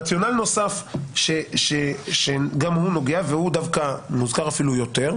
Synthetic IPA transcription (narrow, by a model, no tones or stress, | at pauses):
at͡sjo̞nalno̞safʃeʃeʃeɡamhuno̞ɡeavehud̪avkamuzkaʁafilujo̞te̞ʁ